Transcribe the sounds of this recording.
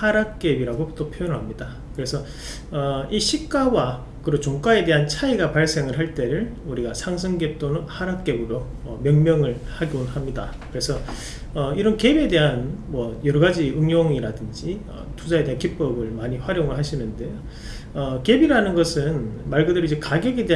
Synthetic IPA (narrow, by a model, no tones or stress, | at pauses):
haɾak̚k͈e̞biɾaɡot͈opʰjojʌnɯɭɦamɲida | kɯɾe̞sʰʌ | ʌiɕʰik͈awa | kɯɾot͡ɕoŋk͈ae̞de̞ɦant͡ɕʰaiɡapaɭs͈e̞ŋɯɭɦaɭt͈e̞ɾɯɭuɾiɡasʰaŋsʰɯŋɡep̚t͈onɯnhaɾak̚k͈e̞bɯɾoʌmjʌŋmjʌŋɯɭhaɡionhamɲida̰kɯɾe̞sʰʌ | ʌiɾʌnke̞be̞de̞ɦanmwʌjʌɾʌɡad͡ʑiɯŋjoŋiɾadɯnd͡ʑiʌ̰tud͡ʑae̞deɦankip͈ʌbɯɭmaɲiɸwaɾjoŋɯɭɦaɕʰimjʌnde̞jo | ʌke̞biɾanɯnɡʌsʰɯnmaɭɡʌdɯɾid͡ʑekaɡjeɡede